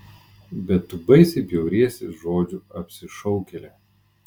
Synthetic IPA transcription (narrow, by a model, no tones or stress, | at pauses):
bʲɛt̪ːʊbɐɪsʲɪpʲjɛʊɾʲiɛsʲesʒoːd͡ʒʲʊɐpʲsʲɪʃɔʊkʲelʲe